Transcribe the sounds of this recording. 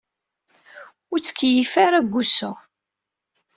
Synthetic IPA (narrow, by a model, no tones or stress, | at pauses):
ʊɾt͡sːə̥kʰːjifaɾaɡʷːusu